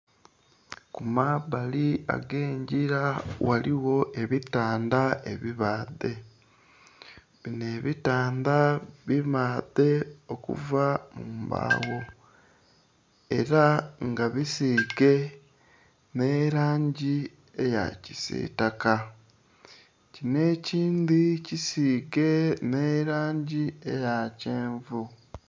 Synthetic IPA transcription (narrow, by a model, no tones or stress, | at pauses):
kumaβalia̰ɡeːɲɟiɾawaliwo̞ʔe̞βitaːndae̞̰βiβaːðe̞ | βine̞ːβitaːnd̪aβimaːðe̞o̞kṵvamumba̰ːwo̞ | e̞̰ɾaŋɡaβisiːɡe̞ | ne̞ːɾaːɲɟi | eja̰cisḭːtaka | cine̞ciːndicisiːɡe̞neːɾaːɲɟiḛjaceːɱvu